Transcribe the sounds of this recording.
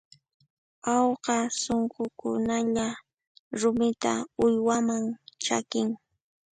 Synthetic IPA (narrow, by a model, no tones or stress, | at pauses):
ɑwqɑsoɴqokʊnaʎa | ɾʊmɪt̪a̰ʊjwamaŋt͡ʃa̰kɪŋ